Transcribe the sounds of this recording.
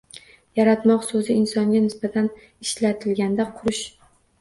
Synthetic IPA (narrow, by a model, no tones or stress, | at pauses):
jaɾat̪mɒqsɵzɪɪnsɒŋɡʲanɪsbat̪ʰan | ɪʃlat̪ʰɪlɡʲand̪aqʰʊɾʊʃ